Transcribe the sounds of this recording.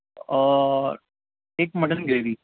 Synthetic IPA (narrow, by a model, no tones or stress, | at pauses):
eːkmɐɽɐnɡɾeːʋi